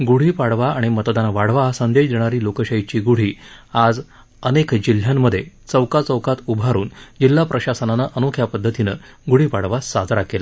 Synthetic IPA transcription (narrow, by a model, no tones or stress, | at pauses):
ɡuɽ̤iːpaɽʋaaɽ̃imət̪d̪anʋaɽ̤ʋasənd̪eɕd̪eɽ̃aɾiːlokəɕəit͡ɕiːɡuɽ̤iːad͡z | ənekd͡ʑil̤jamːəd̪ʱje | t͡səwkat͡səwkat̪ubʱaɾuːnd͡ʑilːapɾəɕasənanaʔənokʰjapəd̪ʱːət̪inə̰ɡuɽ̤iːpaɽʋasad͡zɾakela